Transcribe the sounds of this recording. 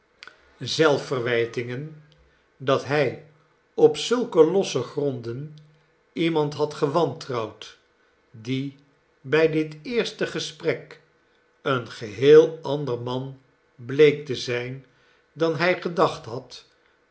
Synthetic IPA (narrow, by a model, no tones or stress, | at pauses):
zɛlˠfərʋɛjtɪŋən | dɑtɦɛj | ɔpsɵlˠkəlɔsəχrɔndən | imɑntɦɑtχəʋɑntrɑwt | di | bɛjdɪtɪːɹstəχəsprɛk | ənχəɦeːlˠɑndərmɑn | blejk̚təzɛjn | dɑnɦɛjχədɑχtɦɑt